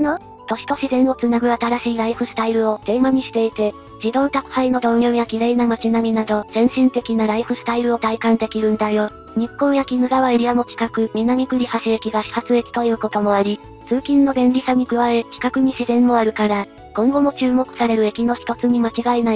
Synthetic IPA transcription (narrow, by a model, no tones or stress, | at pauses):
no | t̪o̞ɕi̥t̪o̞ɕizẽ̞ɰ̃o̞t͡sɨnaɡɯ̟at̪aɾaɕiːɾaiɸɯ̟sɨ̥t̪aiɾɯ̟o̞d̪̥e̞ːmaɲ̟iɕi̥t̪e̞it̪e̞ | d͡ʑid̪õ̞nt̪akɯ̟̥haino̞d̪õ̞ɰ̃jojakʲiɾe̞ːnamat͡ɕinamʲinad̪o̞z̥ẽ̞ɰ̃ɕĩnt̪e̞kʲinaɾaiɸɯ̟sɨ̥t̪aiɾɯ̟o̞t̪aikãnd̪e̞kʲiɾɯ̟̃nd̪ajo̞ | ɲ̟ipːõ̞ɰ̃jakʲinɯ̟ɡaβaiɾʲiamo̞kʲi̥kakɯ̟mʲinaɲ̟ikɯ̟ɾʲihaɕiekʲiɡaɕi̥hat͡sɨe̞kʲi̥t̪o̞jɯ̟ːko̞t̪o̞mo̞aɾʲi | t͡sɨːkʲĩnːo̞ɡẽ̞nɾʲisaɲ̟ikɯ̟βae̞kʲi̥kakɯ̟ɲ̟iɕizẽ̞mːo̞aɾɯ̟kaɾa | kõ̞ŋɡo̞mo̞t͡ɕɨːmo̞kɯ̟̥saɾe̞ɾɯ̟e̞kʲino̞çi̥t̪o̞t͡sɨɲ̟imat͡ɕiɡaenai